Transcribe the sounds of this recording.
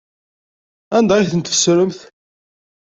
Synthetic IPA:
ænd̪ɑɾiθənt̪fə̥sɾəmθ

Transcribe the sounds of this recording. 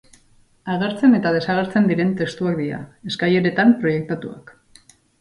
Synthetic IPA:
aɣ̞e̞ɾt͡se̞ne̞t̪að̞e̞saɣ̞e̞ɾt͡se̞nd̪iɾe̞nt̪e̞st̪uak̚d̪iɾa̰e̞skaje̞ɾe̞t̪ampɾo̞je̞k̚t̪at̪ua̰k

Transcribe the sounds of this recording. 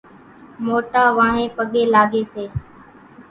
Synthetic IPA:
moːʈaːʋãːɦẽːpəɠeːlaːɠeːseː

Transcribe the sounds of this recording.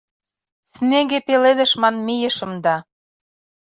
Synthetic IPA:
sneɡepeled̪ə̆ʃmɑnmijə̆ʃə̆md̪ɑ

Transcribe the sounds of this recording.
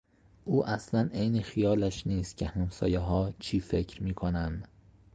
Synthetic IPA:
ʔuːʔæslænejnexijɒːlæʃniːst̪̚cʰehæmsɒ̰ːjeɦɒːt͡ʃʰiːfe̞cʰɾmiːkʰonænd̪̥

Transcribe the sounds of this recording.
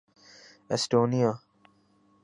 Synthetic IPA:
ɛsʈoːnija

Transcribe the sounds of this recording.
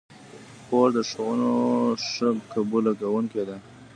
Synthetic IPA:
koɾd̪əʂwunoʂəkabulaɡawuŋked̪a

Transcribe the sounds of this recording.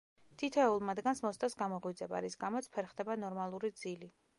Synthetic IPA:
t̪ʰit̪ʰɔɛulˠmad̪ɡansmɔst̪ʼasɡamɔʁwid̪zʼɛba̰ɾisɡamɔt̪sʰpʰɛɾχd̪ɛbanɔɾmalˠuɾid̪zili

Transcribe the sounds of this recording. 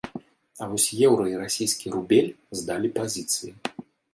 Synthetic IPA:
ɐvɔsʲjɛwɾɐiɾasʲijskʲiɾubʲɛlʲzd̪alʲipazʲit̪sɨji

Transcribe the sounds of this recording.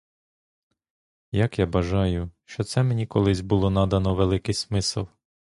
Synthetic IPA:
jɐkjabɐʒɑjʊʃt͡ʃɔt̪sɛmenʲikɔlˠɪzʲbʊlˠɔnɑd̪ɐnɔʋelˠɪkɪjsmɪsɪ̰lˠ

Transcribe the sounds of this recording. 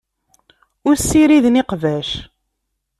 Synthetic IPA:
ʊɾsːiɾiðniqvæʃ

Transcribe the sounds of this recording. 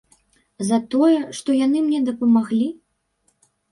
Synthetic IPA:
zɐt̪ɔjɛʂt̪ɔjan̪ɨmnʲɛd̪ɐpɐmaɣlʲi

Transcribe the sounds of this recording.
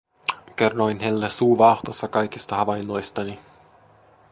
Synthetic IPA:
kerːo̞jnɦelːesuːʋɑht̪osːɑkɑjkist̪ɑɦɑʋɑjnːo̞jst̪ɑni

